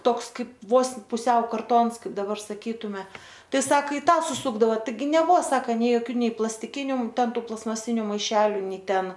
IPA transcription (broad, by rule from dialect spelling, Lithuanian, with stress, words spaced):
ˈtoːks ˈkɐɪp ˈʋoːs pʊˈsʲɛʊ kɐrˈtoːns ˈkɐɪp dɐˈbɐr sɐˈkʲiːtʊmʲɛ ˈtɐɪ ˈsɐk ɪ ˈtɑː sʊˈsʊɡdɐʋɐ tɐɪˈɡʲɪ nʲɛˈbuɔ ˈsɑːkɐ nʲɛɪ joːˈkʲuː ˈnʲɛɪ plˠɐsʲtʲɪˈkʲɪnʲʊ ˈtʲɛn ˈtuː plˠɐstmɐˈsʲɪnʲʊ mɐɪˈʃʲæːlʲʊ ˈnʲɛɪ ˈtʲɛn